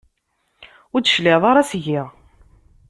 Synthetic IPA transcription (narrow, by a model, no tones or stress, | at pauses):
ʊɾd̪əʃlɪðˤɑɾˤɑsʝɪʁ